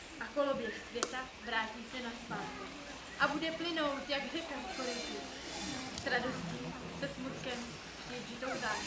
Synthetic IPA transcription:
ʔakolobjɛxsvjɛt̪a | vɾaːciːsɛnaspaːt̪k | ʔabudɛplɪno̞wt̪jaɡdɛkanfoɾɪtɪ | kɾado̞scɪ | sɛsmut̪kɛm | ɛʒɪt̪owza

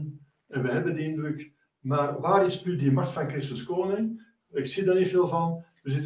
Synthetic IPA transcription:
ɛnʋəɦɛbəndəindrʏk | maːrʋaːɾɪsnydimaxtfɑnkrɪstəskoːnɪŋ | ɪksidarnitfeːlˠvɑnʋəzɪt

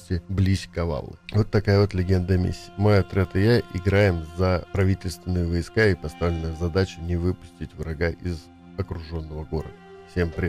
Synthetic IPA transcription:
sʲtʲɪblʲisʲkɐva̰lˠːɨ̰vo̞t̪ːɐkajəvo̞t̪lʲɪɡʲe̞nd̪əmʲḭsʲːɪəmojɐt̪ɾʲat̪ɨjaʔɪɡɾajɪmzəpɾɐvʲitʲɪlʲst̪vʲɪnːɨjəvɐjskaɪpɐst̪avlʲɪnəjəzɐd̪at͡ɕɪnʲɪvɨpʊ̥sʲtʲɪtʲvɾɐɡaʔɪz | ɐkɾʊʐo̞nːəvəɡo̞ɾə̰d̪ə | fsʲe̞mpɾʲɪ

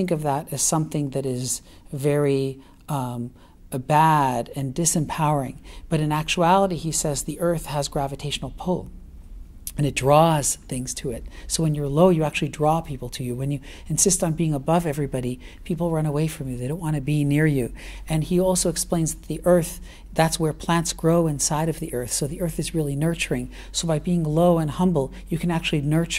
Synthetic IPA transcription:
ɪ̃ŋkʌvðəɾɨz̥sʌ̃mθɪ̃ŋðɨɾɪz | vɛɹi | bæɾɨ̃ndɪsɨ̃mpʰaʊə˞ɪ̰̃ŋb̥ʌɾɨ̃næk̚t͡ʃuælˠəɾiisɛzðiʔɜ˞θhəzɡɹævɨtʰeɪʃn̩l̩ˠpʰulˠ | ɨ̃nɨt̚d̥ɹɔz̥θɪ̃ŋz̥tʰɨɪt̚soʊwɨ̃njə˞loʊjɨæk̚t͡ʃʉl̩ˠidɹɔpʰipl̩ˠtʰɨjɨwɨ̃njɨ | ɨ̃nsɪstn̩biɪ̃ŋəbʌvɛvɹibɑɾi | pʰipl̩ˠɹʌ̃ñəweɪfɹʌ̃mjɨðeɪɾõʊ̃nʔwɑ̃nɨbinɪɹjʉɨ̃niɔlˠsoʊɨksplẽɪ̃nzðət̪̚ðiʔɜ˞θ | ðætswə˞pʰl̥æ̃ntsɡ̥ɹoʊɪ̃nsaɪɾʌvðiʔɜ˞θsoʊðiɜ˞θɨzɹɪlˠinɜ˞t͡ʃə˞ɪ̃ŋ | soʊbaɪbiɪ̃ŋloʊə̃nhʌ̃mbl̩ˠ | jɨkʰɨ̃næk̚t͡ʃʉl̩ˠinɜ˞t͡ʃ

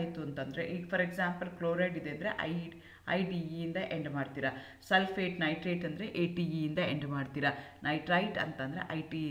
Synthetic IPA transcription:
jt̪uɐnt̪ɐnd̪ɐɾe̞̰ʔiːɡpʰɐɾeɡsaːmpɐlkloːɾɐjɖid̪e̞ɐnd̪ɾe̞ʔɐ̰j | ɐjɖiind̪ɐʔeɳɖmaːɖt̪iːɾa | sɐlfʰeːʈnɐjʈɾɐjʈɐnd̪ɐɾe̞ʔeːʈiiind̪ɐeɳɖmaːɖt̪iːɾanʔɐjʈɾɐjʈɐ̰nt̪ɐnd̪ɐɾe̞̰ʔɐjʈi

